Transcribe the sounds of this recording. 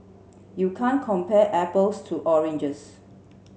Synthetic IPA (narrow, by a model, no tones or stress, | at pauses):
jukʰãnkʰɔ̃mpɛʔɛpəlstʰuʔɔɹɛ̃nd͡ʒəs